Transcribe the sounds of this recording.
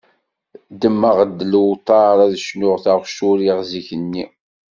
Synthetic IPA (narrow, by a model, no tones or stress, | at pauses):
d̪əmːəʁəd̪ːlwt̪ˤɑɾˤæðəʃnʊʁθaʁʃuɾiʁziçənːi